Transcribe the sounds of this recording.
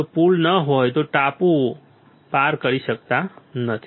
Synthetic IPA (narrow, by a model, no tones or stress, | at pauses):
pulnəɦojt̪oʈapu | paɾkəɾisək̚t̪anət̪ʰi